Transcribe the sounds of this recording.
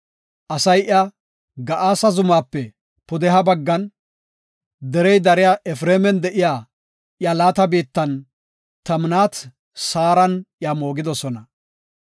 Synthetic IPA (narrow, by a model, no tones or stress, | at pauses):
ʔɐsɐjʔa | ɡɐʔaːsɐzʊmaːpːɛ | pʊd̪ɛɦɐbɐɡːɐn | d̪ɛɾɛjd̪ɐɾɪjaʔɛfɾeːmɛnd̪ɛʔɪjaː | ʔjalaːt̪ɐbiːt̪ːɐn | t̪ɐmnaːt̪ | saːɾɐnʔɪjamo̞ːɡɪd̪ɔsɔnɐ